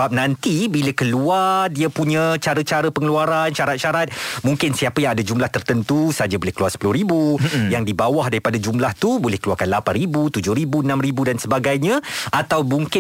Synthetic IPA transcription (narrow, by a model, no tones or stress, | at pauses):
ap̚nãnt̪ibiləkəluardiəpuɲãt͡ʃaɾət͡ʃaɾəpəŋəluaɾanʃaɾat̪̚ʃaɾat̪̚mũŋkɪnsiapəjaŋadad͡ʒumlaht̪ərt̪ənt̪usad͡ʒabolɛhkəluarsə̥pulʊhɾibujaŋdibawahdaɾipadad͡ʒumlaht̪ubolɛhkəluarkanlapanribut̪ud͡ʒʊhɾibuənãmribudansəbaɡajɲãʔat̪awmuŋkɪ